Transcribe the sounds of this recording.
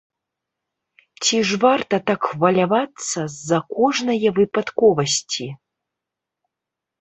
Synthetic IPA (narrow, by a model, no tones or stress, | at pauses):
t͡sʲiʐvart̪ɐt̪akxvɐlʲavat̪sːɐzːɐkɔʐnɐjɐvɨpat̪kɔvɐsʲt͡sʲi